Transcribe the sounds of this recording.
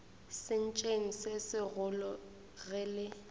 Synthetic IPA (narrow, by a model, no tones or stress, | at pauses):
sɪn̩t͡ʃʼeŋ̩sesɪɣʊlɔ | ɣɛlɪ